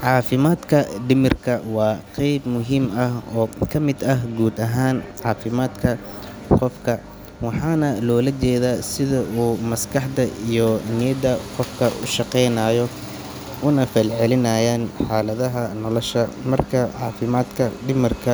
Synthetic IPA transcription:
ʕɑːfɪmaːd̪kʰɐɖɪmɪrkʰɐwɑːqɛjbmʊɦiːmɐhɔːkʰɐmɪd̪ɐɦɡuːd̪ɐɦaːnʕɑːfɪmaːd̪kʰɐ | qɔfkʰɐ | wɑħɑːnɐlɔːlɐt͡ʃɛːðaːsɪðɐʔuːmɐskʰɑħd̪ɐijɔnɪjɐd̪ɐqɔfkʰɐʔʊ̰ʃɑqɛjnaːjɔ | ʔʊnɐfɛlʕɛlɪnɐːjaːnħɑːlɐðɐɦɐnɔlɔʃɐmɐrkʰɐʕɑːfɪmaːd̪kʰɐɖɪmɪrkʰɐ

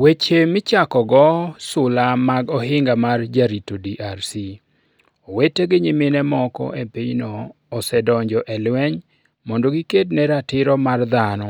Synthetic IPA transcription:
wet͡ʃemɪt͡ʃakɔɡɔsʊlamaɡɔhɪŋɡamard͡ʒaɾitodiʔarsi | oweteɡɪɲimɪnɛmɔkɔ̰ʔepiɲnoː | sɛdɔɲd͡ʒɔʔɛlwɛɲ | mɔndoɡikednɛɾatɪɾɔmard̪anɔ

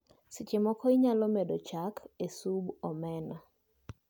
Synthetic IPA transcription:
sit͡ʃemɔkɔiɲalɔmedot͡ʃakʰesubɔmɛnɔ

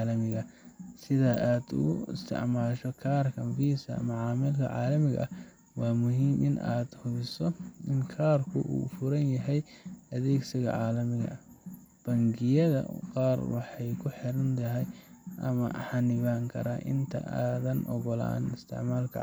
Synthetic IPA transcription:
lɐmɪɣɐsɪðɐʔaːd̪ʊ̰ɣʊɪ̰st̪ʰɪ̰ʕmaːʃɔkʰaːrkʰɐnfiːsɐ̰mɐʕɑːmɪlkʰɐ̰ʕɑːlɐmɪɣɐ̰ʔɐ | wɑːmʊɦiːmʔɪ̰na̰ːd̪hʊβɪsɔɪŋkʰaːrkʰʊʔṵːfʊɾɐnjɐɦɛjɐðɛːɡsɪɣɐ̰ʕaːlɐmɪɣɐ̰ | b̥ɐŋɡɪjɐðɐ̰qɑːrwɑħɑjkʰʊħɪɾɐnt̪ʰɐɦɛjʔɐ̰mɐ̰ħɑnɪβaːŋkʰɐ̰ɾaʔɪ̰nt̪ʰɐ̰ʔaːðɐnʔɔ̰ɣɔla̰ːnɪst̪ʰɪ̰ʕmaːlkʰɐ̰

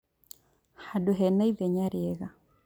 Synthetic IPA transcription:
hadoɦɛnaiðɛɲaɾiɛɣa

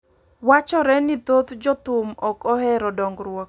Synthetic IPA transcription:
wat͡ʃɔɾɛnɪt̪ot̪d͡ʒɔt̪ʊmɔkɔhɛɾɔdɔŋɡɾwɔk

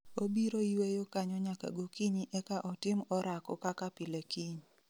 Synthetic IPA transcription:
obiɾoiwejokaɲɔɲaka̰ɡokiɲiʔɛkaʔɔtɪmɔɾakɔkakapilekiɲ

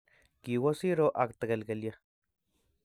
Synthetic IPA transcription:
kiwasiɾoʔakt̪akelɡelja

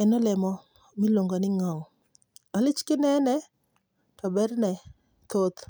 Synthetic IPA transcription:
ɛnɔlɛmɔ | miloŋɡonɪŋɔŋ | alɪt͡ʃkɪnɛnɛ | tɔbɛɾnɛ | t̪ot̪

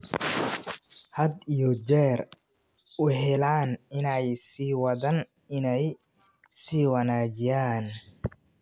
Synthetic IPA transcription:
hɐd̪ijɔd͡ʒɛːr | ʔʊɦɛlaːnɪnɛjsiːwɐðɐn | ɪnɛj | siːwɐnaːd͡ʒɪjaːn

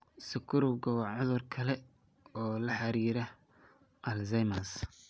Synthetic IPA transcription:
sɪkʰʊɾʊɡɔwɐʕʊðʊrkʰɐlɛ | ɔːlɐħɑɾiːɾɐ | ʔɐlzɐjmɐs

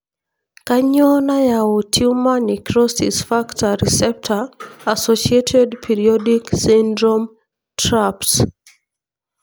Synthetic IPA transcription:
kaɲɔnajaɔtʰumanikɹɔsisfaktʰaɹisɛp̚tʰaasɔʃietʰedpʰiɹiɔdiksĩndɹɔm | tʰɹaps

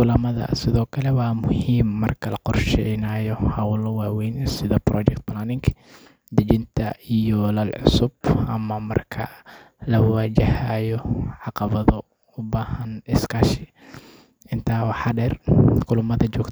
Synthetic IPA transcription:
ʔʊlɐmɐðɐ̰sɪðɔːkʰɐlɛwɑːmʊhiːmːɐrkʰɐlɐqɔrʃɛjnaːjɔhɐwʊlɔwaːwɛjnsɪðɐbrɔ̰ːd͡ʒɛk̚t̪̚plaːnɪŋkʰ | d̪ɐt͡ʃɪnt̪ʰɐijɔlɐlʕʊ̰sʊbʔɐmɐmɐ̰rkʰɐ̰ | lɐwad͡ʒɪhaːjɔʕɑqɑβɐðɔ | ʊbaːhɐnɪskʰaʃɪ | ʔɪnt̪ʰaːwɑħɑɖɛːrqʊlʊmɐðɐd͡ʒɔːk

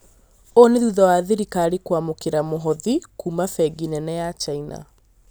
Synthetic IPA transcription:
oneðuðawaːðeɾikaːɾikwamokeɾamoɦɔðikuːmafɛɡinɛnɛjat͡ʃaina̰

